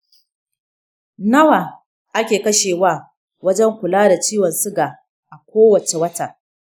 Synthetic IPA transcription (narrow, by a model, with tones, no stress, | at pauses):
nɐ˦wa˨ | ʔa˦kʲeː˨kɐ˦ʃeː˨waː˦˨ | wɐ˦d͡ʒɛ˦ŋkʷʊ˨laː˦da˨t͡ʃiː˦wɔ˨nsʊ˦ɡaː˨ | ʔa˨kʷoː˦wɐ˨t͡ʃe˨wɐ˦ta˨